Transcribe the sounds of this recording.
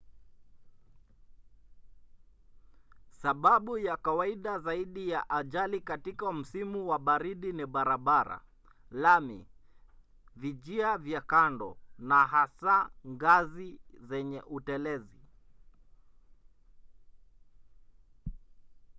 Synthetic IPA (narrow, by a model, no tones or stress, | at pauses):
saɓaɓujakawaiɗazaiɗijaʔaʄalikatikam̩simuwaɓaɾiɗiniɓaɾaɓaɾa̰ | lamḭ | viʄiavjakandɔnaɦasaŋɡazizɛɲɛʔutɛlɛzi